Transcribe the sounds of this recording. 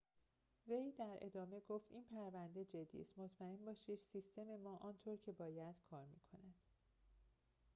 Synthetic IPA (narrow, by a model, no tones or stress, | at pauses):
ve̞jd̪æɾʔe̞̰d̪ɒːme̞ɡoːft̪iːnpʰæɾvænd̪e̞d͡ʒe̞d̪ːḭːst̪mot̪ʰmæenbɒːʃiːd̪sist̪ʰe̞me̞mɒːʔɒːnt̪ʰoɾcʰe̞bɒːjæd̪̥kʰɒːɾmḭːkʰo̞næd̪̥